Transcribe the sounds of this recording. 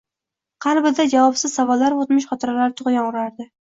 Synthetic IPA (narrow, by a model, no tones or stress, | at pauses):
qʰɑɾbɪd̪ad͡ʒavɒpsɪzsavɒlːaɾot̪mɪʃχɒt̪ʰɪɾalaɾɪt̪ʰʊʁjɒɴɾaɾd̪ɪ